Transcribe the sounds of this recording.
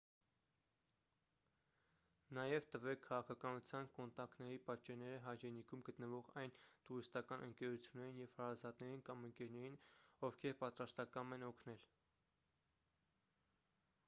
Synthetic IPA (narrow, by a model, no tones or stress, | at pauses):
nɑjɛvt̪əvɛkʰːɑʁɑkʰɑkɑnut͡sʰjɑnkɔnt̪ɑkt̪nɛɾipɑt͡ʃɛɾnɛɾəɦɑjɾɛnikʰumɡət̪nəvɔʁɑjnt̪uɾist̪ɑkɑnʔəŋkɛɾut͡sʰjunːɛɾinjɛv̥hɑɾɑzɑt̪nɛɾinkɑməŋkɛɾnɛɾinɔvkʰɛɾpɑt̪ɾɑst̪ɑkɑmɛnɔkʰnɛl